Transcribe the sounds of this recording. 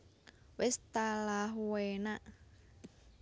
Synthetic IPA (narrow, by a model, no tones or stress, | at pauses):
wɪst̪alaɦuwenaʔ